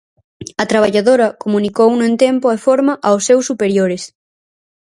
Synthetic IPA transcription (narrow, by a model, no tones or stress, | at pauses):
ɐt̪ɾaβ̞aʎaðoɾɐkomũnikownʊẽnt̪empoefoɾmɐʔaosːewsːupeɾjoɾes